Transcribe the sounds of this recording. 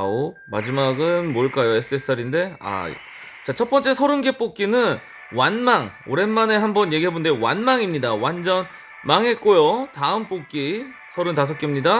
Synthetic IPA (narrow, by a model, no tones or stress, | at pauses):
a̰oma̰d͡ʑimaɡɯnmoɭk͈ajoe̞s͈ɯe̞s͈ʰaɾinde̞a̰ | t͡ɕat͡ɕʰʌt̚p͈ʌnt͡ɕ͈e̞sʰʌɾɯnɡe̞p͈ok͈inɯn | wanmaŋoɾe̞nmane̞ɦambʌnjeɡiɦebondeowanmaŋimɲidawand͡ʑʌn | maŋɦe̞t̚k͈ojotaɯmp͈ok͈i | sʰʌɾɯntas̬ʰʌk͈emɲida